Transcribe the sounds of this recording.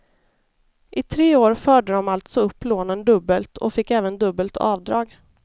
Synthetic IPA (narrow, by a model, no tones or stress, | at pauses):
ʔɪt̪ʰɾeːoːɾfœːɖəd̪ɔmalt̪sɔɵpːloːnənd̪ɵbːəlt̪ʰɔ̰fɪkːɛːvənd̪ɵbːəlt̪ʰɑ̰ːvd̪ɾɑːɡ